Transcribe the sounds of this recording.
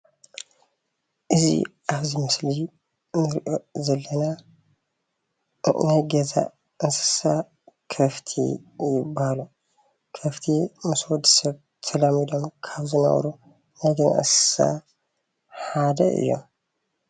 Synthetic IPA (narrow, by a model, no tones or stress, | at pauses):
ʔɨzḭʔaβzimɨsli | nɨɾʔo̞zɐlːɐna | najɡɐza̰ | ɨnsɨ̥sa | kʰɐft̪ʰḭjɪbːahalu | kʰɐft̪ʰimɨswɔd̪sɐβ | t̪ʰɐlamid̪o̞mkʰaβzɨnɐ̰β̰ɾu | najɡɐza̰ʔɨ̰nsɨ̥sa̰ | ħad̪ɐ̰ɨ̰jːo̞̰m